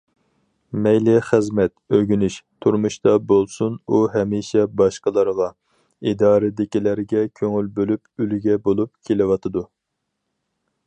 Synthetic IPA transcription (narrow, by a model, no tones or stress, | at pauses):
mɛjlɪχɨzmɛt̪øɡʲynyʃt̪ʰuɾmuʃt̪ɑbolˠsunuɦɛmiʃɛbɑʃqəlˠəɾʁɑ | id̪ɑːɾɪd̪ɪkʲilæɾɡʲɛkʲʰøŋylbølypylɡʲɛbolˠup̚kʲʰelɪwɑt̪ʰɨd̪u